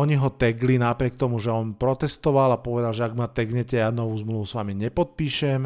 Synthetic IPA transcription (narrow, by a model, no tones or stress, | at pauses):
ɔɲiɦɔt̪ɛɡlinapɾɪɛk̚t̪ɔmuʒɛɔnpɾɔt̪ɛst̪ɔʋalapɔʋɛd̪alʒɛaɡmat̪ɛɡɲɛcɛjanɔʋuːzmluʋusʋamiɲɛpɔt̪̚piːʃɛm